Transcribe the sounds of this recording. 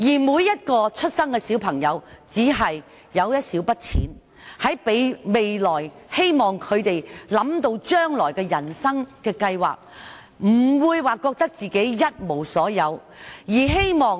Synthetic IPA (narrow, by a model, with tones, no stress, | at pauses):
jiː˨˩muː˨˧jːɐ˥t̚kɔː˧t͡ʃʰɵ˥t̚sɐ˥ŋkɛ˧siː˨˥wpʰɐ˨˩ŋjɐ˨˧wt͡siː˨˥ɦɐ˨j | jɐ˨˧wjɐ˥t̚siː˨˥wpɐ˥t̚t͡sʰiː˨˥n | hɐ˨˥jpe˨˧jme˨jlɔː˨˩jhe˥jmɔː˨ŋkʰɵ˨˧ɥt̪e˨jlɐ˨˥mt̪o˧wt͡ʃœː˥ŋlɔː˨˩jkɛː˧jɐ˨˩nsɐ˥ŋkɛː˧kɐ˧jwa̰ː˨˩k̚ | m̩˨˩wuː˨˧jwaː˨kːɔː˧k̚t̪ɐ˥k̚t͡siː˨ke˨˥jjɐ˥t̚mo˨˩wsɔː˨˥jɐ˨˧w | jiː˨˩ɦe˥jmɔː˨ŋ